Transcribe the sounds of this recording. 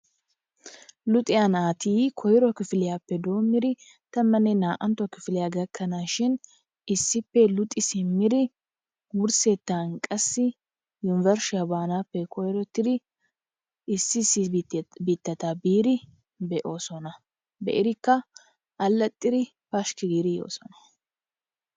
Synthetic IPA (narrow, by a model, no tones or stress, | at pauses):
lʊt̪ʼɪjanaːt̪iːkʰɔjɾɔkɪfɪlɪjaːpːɛd̪o̞ːmːɪɾɪ | t̪ɐmːɐnɛnaːʔɐnt̪ːɔkɪfɪlɪjaɡɐkːɐnaːʃɪn | ɪsːɪpːɛlʊt̪ʼːɪsɪmːɪdɾɪ | wʊɾset̪ːaːnkʼɐsːɪ | jʊnɪvɐɾʃɪɐbaːnaːpːɛkɔjɾɔt̪ːɪd̪ɪ | ɪsːɪsɪbiːt̪ːɐt̪abiːɾɪ | bɛʔo̞ːsɔnɐ | bɛ̰ʔɪɾɪkːɐ | ʔɐlːɐt̪ʼːɪd̪ɪ | pɐʃkɪɡiːɾɪjo̞̰ːsɔnɐ̥